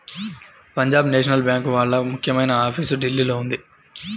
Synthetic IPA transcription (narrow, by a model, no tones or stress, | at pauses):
pɐɲd͡ʒaːbneːʂɐnɐlbjaːŋkʋaːɭːɐmukʰjɐmɐjnɐaːpʰiːsuɖilːiːlo̞ːund̪i